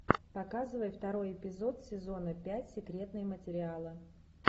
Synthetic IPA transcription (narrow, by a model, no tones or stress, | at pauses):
pɐkazɨvəjəft̪ɐɾo̞jɪpʲɪzo̞t̪sʲɪzo̞nəpʲætʲsʲɪkɾʲe̞t̪nɨjəmətʲɪɾʲɪalˠɨ